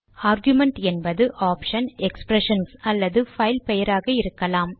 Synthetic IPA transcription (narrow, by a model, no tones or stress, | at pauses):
aːɾɡjʊmɛɳʈɛnbɐðɯʔaːpʂɐnɛkspɾɛʂɐnsɐlːɐðɯfɐɪlpɛjɐɾaːɣɐɪɾɯkːɐlaːm